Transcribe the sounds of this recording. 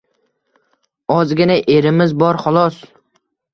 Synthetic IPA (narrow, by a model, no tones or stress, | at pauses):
ɒzɡʲɪnaʔe̞ɾɪmɪzbɒɾχɒlˠɒs